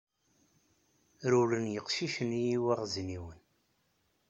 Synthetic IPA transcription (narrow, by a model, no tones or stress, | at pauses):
ɾulənjəqʃiʃənijiwæʁzniwən